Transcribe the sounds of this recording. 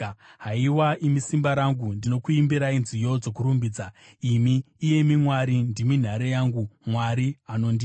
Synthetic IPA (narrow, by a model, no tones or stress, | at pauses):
ɦaiwaʔimisimbaɾaŋɡundino̞kuimbiɾainzijo̞d͡zo̞kuɾumbiːd͡za | imiː | je̞mimwaɾindimin̤aɾejaŋɡumwaɾiano̞ːndi